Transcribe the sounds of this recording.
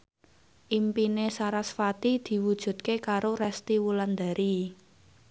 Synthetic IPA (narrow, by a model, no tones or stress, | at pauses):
ʔimpinesaɾasfat̪id̪̥i̤wud̥ʒ̥ṳd̪̚kekaɾoɾɛst̪iwuland̪a̤ɾi